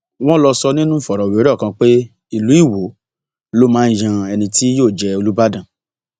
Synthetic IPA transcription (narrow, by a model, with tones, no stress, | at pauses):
w̃ɔ̃˦lɔ˧sɔ˧nĩ˦nũ˦fɔ˨ɾɔ˨wi˨o˦ɾɔ˦˨kã˧k͡pe˦ | i˨lu˨˦i˦˨wo˨˦ | lo˦mãː˨˦n̩˦jã˧ɛ˧nĩ˧ti˦joː˦˨d͡ʒɛ˧o˧lu˦ba˦dã˨